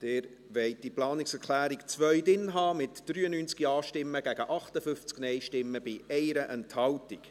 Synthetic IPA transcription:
d̥ɛːɾ | vɛɪt̚d̥iplɑːnɪksɛɾkʰlæːɾikt͡svœɥdɪnɦɑːmɪtd̥ryːənyːnt͡skiɑːʃtɪmːəɡ̥æɡ̥əʔɑχtəfʏft͡sknɛɪʃtɪmːəb̥ɪɛɪɾəʔɛnthɑwtɪk

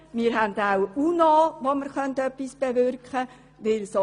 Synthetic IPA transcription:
mɪːɾɦændawunoʋoməɾχœntœpːisb̥eʋʏɾkχə | ʋɪlso

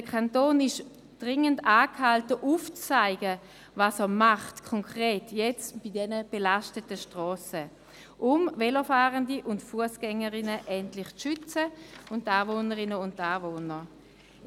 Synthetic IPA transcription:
dəkʰantoːnɪʃ | d̥ʁɪŋəndaːkhaltəʔuːft͡st͡saɪɡə | vasɛɐmaχtkʰɔŋkʁeːtʰjɛt͡sb̥idɛnəb̥elaʃtətəʃtʁɔːsə | ʔʊmvɛləfaːʁəndiʔʊntfuəsɡ̥ɛŋəʁɪnəʔɛntlɪχt͡sʃʏt͡səʊntːaːvoːnəʁɪnəʊntaːvoːnə

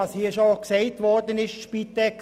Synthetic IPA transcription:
ɑshiːəʃoksɛɪtʋɔrdənɪʃʃpit̪ɛk

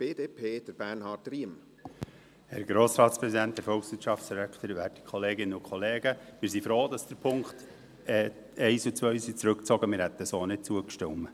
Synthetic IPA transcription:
b̥eːdeːpʰeːd̥əɾb̥ænhɑːtɾiəm | hæɾɡ̥ɾoːsɾɑːtspɾɛsidænt̚dəɾfɔlksʋɪtt͡ʃʃɑftt͡ssɾækt̪əɾvæːti̥kχoleːɡɪnəʊkχoleːɡ̥əmɪːɾsifɾoːd̥̪ɑsd̥əɾpʰʊŋkχt̪ | ɛː | ɛɪsut͡sʋœʏsit͡sɾɵkt͡sɔɡəmɪɾhɛt̪ːəsoːnɪt̚t͡suəkʃtɪmːə

